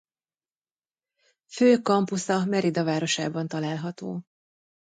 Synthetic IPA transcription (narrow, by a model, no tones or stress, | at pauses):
føːkɒmpusɒmɛɾid̪ɒvaːɾo̞ʃaːbɒnt̪ɒlaːlɦɒt̪oː